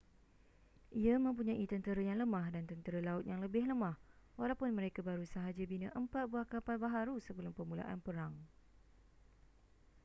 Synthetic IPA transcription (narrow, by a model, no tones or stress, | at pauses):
ʔiamə̃mpuɲãʔit̪ənt̪əɾajaŋləmãhdant̪ənt̪əɾəlaʊt̪̚jaŋləbɪhləmãh | walawpʊnmə̃ɾekabaɾusaɦad͡ʒabinəʔəmpat̪̚buahkapalbaɦaɾusəbəlʊmpəmula̰ʔanpəɾaŋ